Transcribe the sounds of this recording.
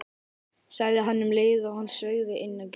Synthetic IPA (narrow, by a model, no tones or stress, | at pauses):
saɣðɪɦanːʏmleːjðɪɔɣhanːsœːɣðɪʔɪnːac